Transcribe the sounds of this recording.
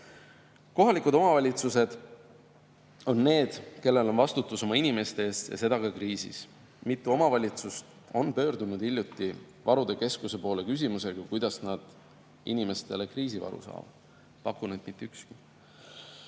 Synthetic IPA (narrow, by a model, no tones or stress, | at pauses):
ko̞ɦɑlikud̪o̞mɑvɑlʲit̪suse̞d̪̥ | o̞nːe̞ːd̪̥ke̞lːe̞lo̞nvɑst̪ut̪ːˑuso̞mɑinime̞st̪e̞eːst̪jɑ̰se̞d̪̥ɑkɑkriːsḭs | mit̪ˑːuo̞mɑvɑlʲit̪sust̪ | o̞npø̞ːɾd̪unud̪̥ilʲːjut̪ːˑi | vɑɾud̪̥e̞ke̞skuse̞po̞ːle̞kys̬ʲimuse̞ɡ̥ɑkujd̪̥ɑsnɑd̪̥ | ḭnime̞st̪e̞le̞kriːs̬ivɑ̰ɾṵsɑ̰ːvɑ̰d̪̥ | pɑkːuned̪̥mit̪ːeykski̥